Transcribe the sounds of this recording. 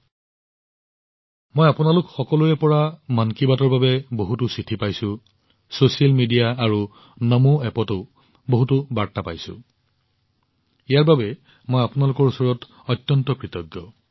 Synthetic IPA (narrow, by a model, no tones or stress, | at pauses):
mojapʊnalʊkxɔkɔluɛpɔɹamankibatɔɹbabɛboɦutusitʰipajsʊ̃ | sosialmidijaːɹu | nɔmoɛpɔto | boɦutʊbaɹtapajsʊ̰̃ | ijaɹbabɛ | mojapʊnalʊkɔɹusɔɹɔt | ɔtːjɔntɔkɹitɔɡjɔ